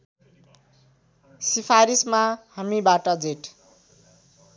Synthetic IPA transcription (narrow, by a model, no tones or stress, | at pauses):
sipʰaɾismahamibaʈʌd͡zeʈ